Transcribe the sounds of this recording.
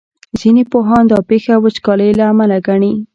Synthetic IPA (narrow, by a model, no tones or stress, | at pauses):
z̥inepoɦɑnd̪ɑpexawət͡ʃkɑləjlaːmalaɡaɳi